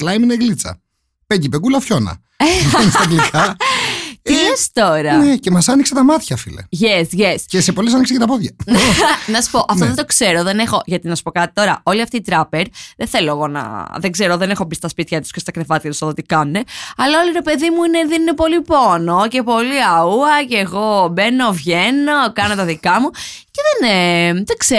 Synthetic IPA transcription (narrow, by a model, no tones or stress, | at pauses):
klɐjmineɣlit͡sɐ̰ | pecipekulɐfço̞nɐ̰ | onisɡlikɐ | t̪iest̪o̞ɾɐnecemɐsɐnikset̪ɐmɐt̪çɐfilḛʝesʝescesepo̞lesɐniks̬ecet̪ɐpoðʝɐnnɐsu̥po̞ʔɐft̪oðet̪o̞kse̞ɾo̞ðe̞nexo̞ʝɐt̪inɐsu̥po̞kɐt̪i̥t̪o̞ɾɐ̰o̞liɐft̪iːt̪ɾɐpeɾðenθe̞lo̞eɣo̞nɐ̰ðeɡze̞ɾo̞ðenexo̞pist̪ɐspit̪çɐt̪u̥skɐst̪ɐkɾevɐt̪çɐt̪usoðt̪ikɐnːeɐlɐo̞liɾe̞pe̞ðimuineðeninepo̞lipo̞no̞ce̞po̞liɐuɐceːɣo̞beno̞vʝenokɐnot̪ɐðikɐmuce̞ðenet̪ekse